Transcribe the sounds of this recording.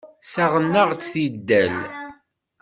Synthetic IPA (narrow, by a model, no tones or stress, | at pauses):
sæʁənːəʁt̪θid̪ːæl